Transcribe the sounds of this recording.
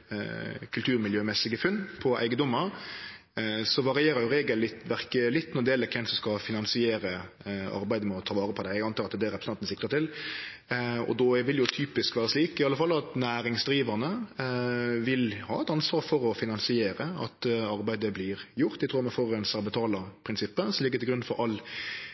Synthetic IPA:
kʰʉlt̪ʰʉːɾmɪljøːmɛsɪɡəfʉnːpʰɔʔæɪɡəd̪ɔmːəɾ | sɔʋɑɾɪjeːɾəjʊɾeːɡəlɪt̪ʋæɾkəlɪt̪ːnɔd̪eːləkʰɛnsɔmskɑfɪnɑnsɪeːɾə | ɑ̰ɾbæɪd̪əmɛɔt̪ʰɑːʋɑːɾəpʰɔd̪æɪɛɡɑnt̪ɑɾɑt̪d̪ɛɾɛpɾsɑnnsɪkt̪əɾt̪ɪl | ɔ̰d̪ɔʋɪljʊt̪ʰyːpɪskʋæːɾəsliːkɪɑlːəfɑlːɑt̪næːɾɪŋsd̪ɾiːʋəʁnə | ʋɪlhɑ̰ːɛt̪ɑnsʋɑːɾfɔɾɔfɪnɑnsɪeːɾəɑ̰t̪ɑɾbæɪd̪əblɪːɾjʊɾt̪ɛɡt̪ʰɾuːmɛfoɾɛnsəʁbət̪ʰɑːləpʰɾɪnsɪpːəsɔmlɪɡːət̪ɪɡɾʉnfɔɾɑlː

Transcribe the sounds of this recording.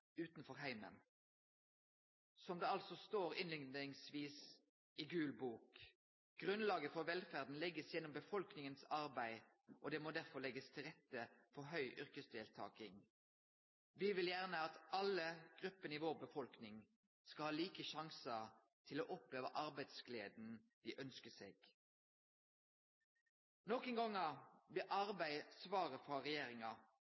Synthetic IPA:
ʉːt̪nfɔʁɦæɪmə̰n | sɔmd̪ɛːɑlsɔst̪oːɾɪnlɪŋnɪŋsʋiːs | ɪɡʉːlbuːk | ɡ̥ʁʉnlɑːɡəfɔʋɛlfæːʁd̪n̩lɛɡəsjɛnːɔmbəfɔlknɪŋənsɑʁbæɪ | ʔɔd̪ɛːmoːd̪æʁfɔʁlɛɡəst̪ʰɪlʁɛt̪ːəfɔɦœʏʔʏʁkəsd̪eːlt̪ʰɑ̰ːkɪŋ | ʋɪʋɪljæʁnəɑt̪ʔɑləɡ̥ʁʉpːəniːʋoːʁbəfɔlknɪŋ | skɑlhɑːliːkəʃɑŋsə | t̪ʰɪloːʔɔpleːʋəʔɑʁbæɪd̪sɡleːd̪n̩d̪̥iːʔœnskəseːɡ̥ | nɔkənɡɑŋɑʋɪʔɑʁbæɪsʋɑːʁəfʁɑʁɛjeːʁɪŋɑ

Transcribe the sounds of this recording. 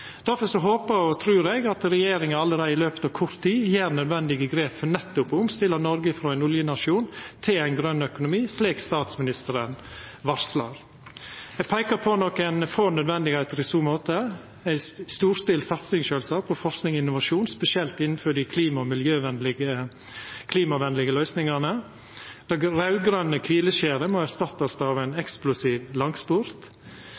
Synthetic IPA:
d̪̥æɾfɔɾʂɔɦoːpəɾɔt̪ʰɾʉːɾɛɡɑt̪ɾɛjeːɾɪŋəɑlːəɾeːd̪əɪløːpət̪ɑːʋkʰɔɾt̪ʰːiːjeːɾnœd̪ʋɛnd̪ɪɡəɡɾeːpfɔnɛt̪ːʊpʊmst̪ɪlːənɔɾɡəfɾɔːæɪnʊljənɑʂuːnt̪ʰɪlæɪnɡɾœnːœkʊnʊmiːsliːkst̪ɑːt̪smɪnɪst̪əɾənʋɑɾslɑɾ | ɛɡpʰæɪkəɾpʰɔnɔkːɛnfoːnœd̪ʋɛnd̪ɪɡheːt̪əɾɪsuːmoːt̪ə | æɪst̪uːɾsd̪ɪːlsɑt̪sɪŋʃøːlsɑːpʰɔfɔɾsknɪŋɔɪnːʊʋɑʂuːnspɛsɪɛlt̪ɪnːn̩fɔɖɪkʰliːmɑɔmɪljøːʋɛnlɪɡə | kʰliːmɑʋɛnlɪɡəlœʏsnɪŋɑnə | d̪̥ɑɡɾɑʉɡɾœnːəkʰʋiːləʃeːɾəmɔæɾst̪ɑt̪ːɑsd̪ɑʋæɪnɛksplʊsiːʋlɑŋsbʊɾt̪

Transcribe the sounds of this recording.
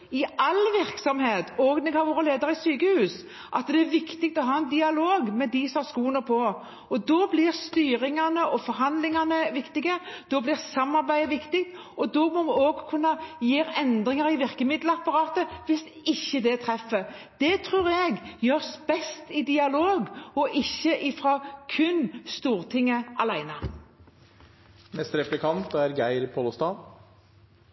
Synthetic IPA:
ɪɑlʋɪɾksɔmheːt̪ʰɔɡnɛɡhɑɾʋoːɾəleːd̪əɾəɪsyːkəhʉːs | ʔɑt̪d̪ɛæɾʋɪkt̪ɪɡt̪ɔɦɑːɛnd̪ɪɑloːɡmɛd̪ɪsɔmɑɾskuːnəpʰɔ | ɔd̪ɔblɪɾst̪yːɾɪŋɑnəʔɔfɔɾɦɑnd̪lɪŋɑnəʋɪkt̪ɪɡəd̪̥ɔblɪʁsɑmːɑɾbæɪəʋɪkt̪ɪk̚t̪ | ɔd̪ɔmɔmɪoːɡkʰʉnːəjiːɾɛnd̪ʁɪŋəʁɪʋɪʁkəmɪd̪ləɑpɑɾɑːt̪əʋɪs | ɪçːəd̪ɛt̪ʰɾɛfːəd̪̥ɛt̪ʰʁʉːʁjɛɡjøːʁsbɛst̪ɪd̪ɪɑloːɡɔʔɪçːəʔɪfɾɑkʰʉnst̪uːɾt̪ʰɪŋːəɑlæɪnə | mɛst̪ɾɛplɪkʰɑnt̪æɾɡæɪɾpʰoːləst̪ɑː

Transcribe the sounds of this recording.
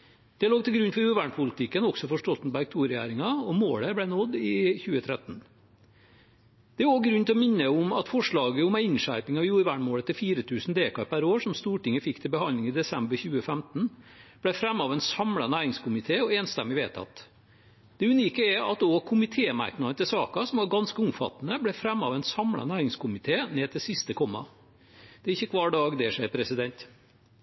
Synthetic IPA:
d̪̥ɛloːɡ̚t̪ʰɪlɡɾʉnːfɔɾʉːɾʋæːɳpʰʊlɪt̪ʰɪkːənɔksɔfɔʂʈɔlt̪nbæɾk̚t̪ʰuːɾɪæ̰ːɾɪŋɑɔmoːɽəblæɪnɔd̪ːɪçʉːət̪ʰɾɛt̪n̩ | d̪̥ɛoɡɾʉnt̪ʰlɔmɪnːəʊmɑt̪fɔʂɭɑːɡəʊmæɪɪnʂæɾpɪŋɑʋjuːɾʋæːɳmoːɽət̪ːɪlfiːɾət̪ʰʉːsn̩d̪eːkɑɾpʰæɾoːʂɔmst̪uːʈɪŋːəfɪkːt̪ʰɪlbəhɑnlɪŋɪd̪ɛsɛmbəɾçʉːəfæmt̪n̩b̥læɪfɾɛmːɑʋæɪnsɑmlɑnæːɾɪŋskʊmɪt̪ʰeːɔeːnst̪ɛmːɪʋeːt̪ʰɑ̰t̪ | d̪̥ɛʉniːkəɛɑ̰t̪̚d̪oːkʰʊmɪt̪ʰeːmæ̰ɾknɑd̪ət̪ɪlsɑːkɑsɔmʋɑɾɡɑnskəʊmfɑ̰t̪ːnəblæfɾɛmːɑ̰ʋæɪnsɑmɽɑ̰næːɾɪŋskʊmɪt̪ʰeːneːdt̪ɪlsɪst̪əkʰɔmːɑ̰ | d̪̥ɛæɾɪçːəkʰʋɑːɖɑːɡd̪ɛʂæɪɾpʰɾɛsɪd̪ɛnt̪

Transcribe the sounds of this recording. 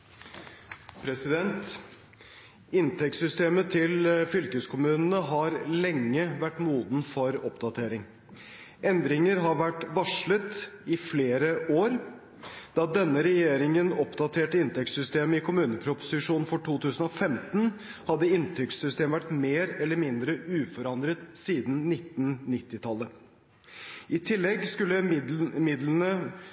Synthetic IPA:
pʰɾɛsɪd̪ɛnt̪ | ɪnt̪ʰɛksʏst̪eːmət̪ʰɪlfʏlkəskʰʊmʉːnənəɦɑɾlɛŋːəʋæʈːmuːd̪n̩fɔɾɔpd̪ɑt̪ʰeːɾɪŋ | ʔɛnd̪ɾɪŋəɾɦɑɾʋæʈʋɑʂɭət̪ɪfleːɾəʔoːɾ | d̪̥ɑd̪ɛnːəɾɛjeːɾɪŋənɔpd̪ɑt̪ʰeːʈəɪnt̪ɛkssʏst̪eːməɪkʊmʉːnəpʰɾʊpʊ̥sɪʂuːnn̩fɔʈʰuːt̪ʰʉːsənɔfɛmt̪n | hɑd̪ːəɪnt̪ʰʏksʏst̪eːmʋæʈmeːɾɛlːəɾmɪnd̪ɾəʔʉːfɔɾɑnd̪ɾət̪siːd̪n̩nɪt̪ːnnɪt̪ːɪt̪ʰɑlːə | ɪt̪ʰɪlːɛɡskʉlːəmɪd̪lənə

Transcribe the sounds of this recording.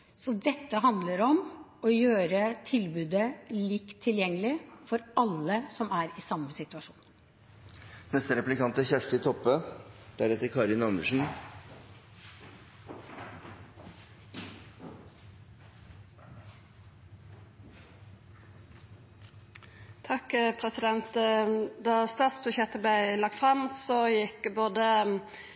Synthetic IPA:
sɔd̪ɛt̪ːəɦɑnd̪ləɾɔmɔjøːɾət̪ʰɪlbʉːd̪əliːkt̪ʰːɪljɛŋːəlɪfɔɾɑlːəsɔmæːɾɪsɑmːəsɪt̪ʉɑʂu̥̰ːn | nɛst̪əɾɛplɪkɑnt̪əçæʂtəɪt̪ʰɔpːəd̪̥æɾɛt̪əɾkʰɑɾɪnɑməʂn̩ | t̪ʰɑkpʰɾɛsɪd̪ɛnt̪d̪ɑːst̪ɑːt̪sbʉçjɛt̪ːəblæɪlɑɡ̚t̪fʁɑmsɔjɪkːəboːd̪ə

